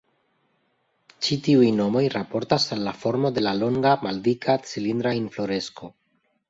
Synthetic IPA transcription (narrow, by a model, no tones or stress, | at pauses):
t͡ʃitiujno̞mo̞jɾapo̞ɾtasalːafo̞ɾmo̞de̞lalo̞ŋɡamaldikʰat͡silind̪ɾainflo̞ɾe̞sko̞